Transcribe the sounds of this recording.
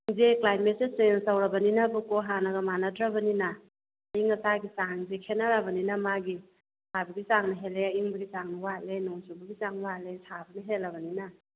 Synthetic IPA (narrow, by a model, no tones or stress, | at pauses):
ŋzeklajmetseseŋsawɾɐbɐninabukoɦanaɡɐmanadɾabɐnina | iŋɐsaɡisaŋŋzekʰenaɾabɐninamaɡi | sʰabɐɡisaŋnɐɦeleaiŋbɐɡisaŋnɐwatlenoŋsobɐɡisaŋwalesʰabɐnɐɦetlːɐbɐnina